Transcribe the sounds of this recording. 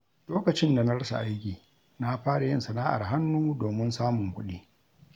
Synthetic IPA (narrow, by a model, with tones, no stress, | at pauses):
loː˦kɐ˨t͡ʃɪ˦nda˨na˦ɽɐ˦sa̰˨ʔa˦jkʲiː˨ | na˦ɸaː˦ɽa˨jɪ˦nsɐ˨naː˦ʔa̰˨rɦa˦nːuː˦doː˨mɪ˦nsaː˦mʊ˨ŋkʷʊ˦ɗiː˦